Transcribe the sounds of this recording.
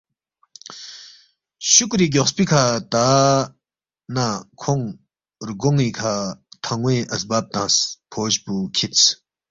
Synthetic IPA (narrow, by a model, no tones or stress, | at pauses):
ɕʰuk̚riɦɡoχspikʰat̪a | nakʰoŋ | rɡoŋwikʰat̪ʰaŋweʔəsbap̚t̪aŋspʰoɕpukʰit͡sʰ